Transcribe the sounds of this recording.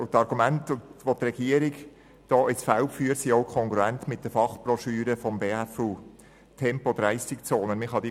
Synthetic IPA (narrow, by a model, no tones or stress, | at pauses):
ʊtɑɾɡumæntʊʋot̪rɛɡ̥iəɾɪɡ | d̥ɔːʔɪt͡sfaʊfyːəɾsiːoʊkʰɔŋkɾuæntmɪt̚d̥əfɑχb̥rɔʃyːɾəfɔmveːæfuː | tʰɛmpod̥̪ɾæɪsɪkt͡soːnəmɪχhɑd̥̪i